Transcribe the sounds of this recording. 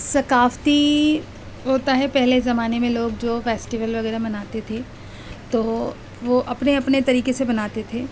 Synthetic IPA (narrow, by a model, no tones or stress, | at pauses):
sɐkaːft̪i | ɦoːt̪aɦɛpɛɦlezɐmaːnemẽloːɡ̚d͡ʒoːfɛːsʈɪʋəlʋɐɣɛːɾabɐnaːt̪et̪ʰeː | t̪oː | ʋoːʔɐpneɐpnet̪ɐɾiːkesebɐnaːt̪et̪ʰeː